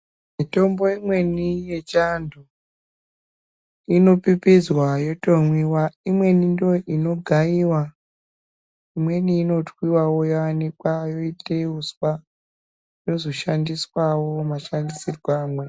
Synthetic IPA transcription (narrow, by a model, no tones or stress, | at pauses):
mito̞mbo̞imwe̞nije̞t͡ʃandʱo | ino̞pipizwajo̞to̞mwiwaimwe̞nindoʔino̞ɡʱaiwa | imwe̞niːno̞twiwawo̞joanikwajo̞itʰʼeuswa | jo̞zo̞ʃandiswawo̞maʃandisirwaːmwe̞